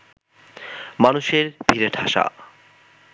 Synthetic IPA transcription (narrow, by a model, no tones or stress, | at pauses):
manuʃeɾbʱiɾeʈʰa̰ʃa̰